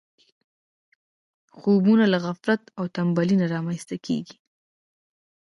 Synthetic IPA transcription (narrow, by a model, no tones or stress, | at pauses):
xobunalaɣafɾat̪awt̪ambalinaɾɑmanst̪akʰḛɡi̥